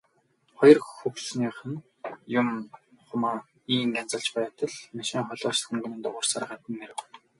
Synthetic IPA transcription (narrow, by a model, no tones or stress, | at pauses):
χɔjɞ̆rxɵxsniːχə̆n | jʊm | χʊmaː | iːŋkant͡sə̆ɬt͡ɕpæjaːt̪ə̆ɮmaʃiːŋχɔɮɔːt͡ɕxɵ̆ŋɡɵnɘ̆nt̪ʊʁʊ̆rsarʁaːt̪ə̆nːeɾɘ̆w